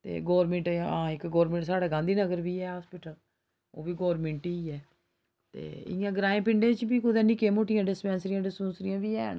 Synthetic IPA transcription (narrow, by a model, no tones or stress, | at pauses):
t̪ḛːɡɔːɾmẽːɳʈãːɪkɡɔːɾmẽːɳʈsaːɽaːɡãːnd̪iːnəɡəɾbiːɛːɦaːspɪːʈəl | o̰ːbiːɡɔːɾmẽɳʈiːɛː | t̪ḛːɪ̰jãːɡɾãːẽːpɪɳɖẽːt͡ʃbiːkʊd̪ẽːnɪkẽːmoːʈɪjãːɖɪspɛ̃ːnsɾɪjãːɖɪspẽːnsɾɪjãːbiːɛ̰ːn